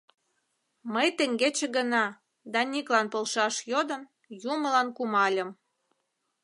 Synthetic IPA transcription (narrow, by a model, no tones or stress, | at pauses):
məjt̪eŋɡet͡ɕĕɡənɑ | d̪ɑniklɑnpolʃɑʃjod̪ən | juməlɑnkumɑlʲə̆m